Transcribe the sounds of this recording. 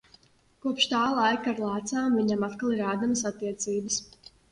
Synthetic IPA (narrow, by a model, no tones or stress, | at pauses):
kuɔpʃt̪aːlˠajkːɾlˠaːt̪saːmviɲamat̪kalˠiɾaːd̪aməsat̪ːiɛt̪siːbəs